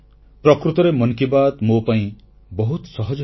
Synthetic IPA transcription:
pɾɔkɾut̪ɔɾemɔnkibad̪mopaĩ | bɔɦut̪sɔɦɔd͡ʒ

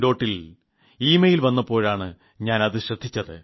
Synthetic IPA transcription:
do̞ːʈːil | iːmɐjilʋɐnːɐpːo̞ːɻaːɳɨ | ɲaːnɐðɨɕrɐd̪ʱːit͡ɕːɐðɨ̰

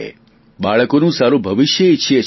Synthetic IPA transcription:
ḛ | ɓaɭəkonũsaɾũbʱəʋɪʃjəiʃʰe

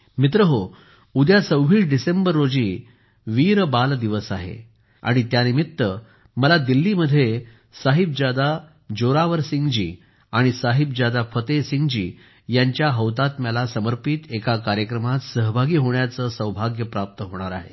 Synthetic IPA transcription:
mit̪ɾəɦo | ud̪jat͡səwʋiːʂɖisembəɾːod͡ʑiː | ʋiːɾbald̪iʋəsaɦḛ | a̰ɽ̃it̪janimit̪ːə | məlad̪ilːiməd̪ʱːje | saɦib̚d͡ʑad̪a | d͡ʑoɾaʋəɾsiŋɡd͡ʑḭː | aɽ̃isaɦib̚d͡ʑad̪afət̪esiŋɡd͡ʑḭː | jaɲt͡ɕjaɦəʋt̪at̪mjalasəməɾpit̪ekakaɾjəkɾəmat̪səɦbʱaɡiːɦoɳjat͡səːsəwbʱaɡjəpɾap̚t̪əɦoɽ̃aɾa̰ɦḛ

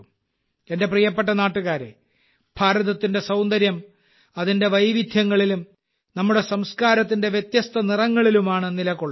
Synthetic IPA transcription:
e̞nde̞prijɐpːeʈ̬ːɐnaːʈːuɣaːɾḛ | bʱaːɾɐðɐt̪ːinde̞sɐwnd̪ɐɾjɐm | ɐðinde̞ʋɐjʋid̪ʱjɐŋːɐɭilum | nɐmːuɽe̞sɐmskaːɾɐt̪̬ːinde̞ʋjet̪jɐst̪ɐnirɐŋːɐɭilumaːɳɨnilɐkːoɭː

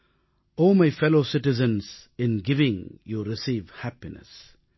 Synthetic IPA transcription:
oːmaɪfɛloːsɪʈɪzə̃nsɪ̃nɡɪʋɪ̃ŋjuɾɪsiːʋhæpinə̰s

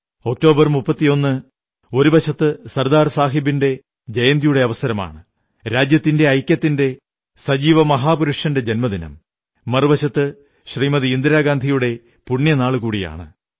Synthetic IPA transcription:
o̞k̚to̞ːbɐrmupːɐt̪ːijo̞nːɨ | o̞ɾubɐɕɐt̪ːɨsɐrd̪aːrsaːɦibinde̞ | d͡ʑɐjɐnd̪ijuɽe̞ɐʋɐsɐɾɐma̰ːɳɨ | ɾaːd͡ʑjɐt̪ːinde̞ɐjkʲjɐt̪ːinde̞ | sɐd͡ʑiːʋɐmɐɦaːpuɾuʂjɐnde̞d͡ʑɐnmɐðinɐ̰m | mɐrɨbɐɕɐt̪ːɨ | ɕriːmɐðɨind̪iɾaːɡaːnd̪ʱijuɽe̞ | puɳːjɐnaːɭɨkuːɽija̰ːɳɨ̰

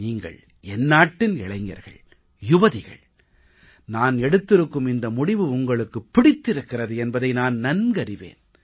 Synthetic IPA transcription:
niːŋɡɐ̰ɭ | ɛnːaːʈːɪnɪ̰ɭɐɪŋɡɐ̰ɾɣɐ̰ɭ | jʊbɐðɪɣɐ̰ɭ | naːnɛɽɯt̪ːɪɾɯkːɯmɪnd̪ɐmʊɽɪʋɯʊŋɡɐɭɯkːɯpːɪɽɪt̪ːɪɾɯkːɪrɐðɯɛnbɐðɐɪnaːnnɐnɡɐɾɪʋḛːn

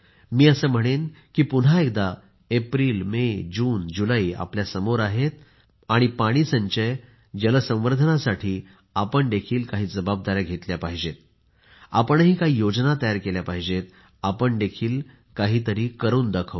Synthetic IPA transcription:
miːəsəːm̤əɽ̃enkiːpunɦaek̚d̪a | epɾiːlmed͡ʑuːnd͡ʑulaiːa̰pljasəmoɾaɦet̪̚ | aɽ̃ipaɽ̃iːsəɲt͡ɕej | d͡ʑələsə̃ʋəɾd̪ʱənasaʈʰiː | apəɳd̪ekʰiːlkaɦiːd͡zəbab̚d̪aɾjaɡʱet̪ljapaɦid͡ʑet̪̚ | a̰pəɳɦiːkaɦiːjod͡znat̪əjaɾkeljapaɦid͡ʑet̪ | apəɳd̪ekʰiːl | kaɦiːt̪əɾiːkəɾuːnd̪əkʰəʋ

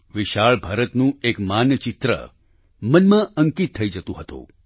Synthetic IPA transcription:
ʋɪʃaɭbʱaːɾət̪nũekmanjət͡ʃɪt̪ɾə̰ | mənmãəŋkit̪ʰːəid͡ʒət̪ũɦət̪õ̰

